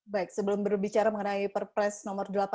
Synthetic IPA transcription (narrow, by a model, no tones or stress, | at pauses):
baɪk̚səbəlʊmbərbit͡ʃaɾaməŋənaipərpɾɛsnɔmərdəlapa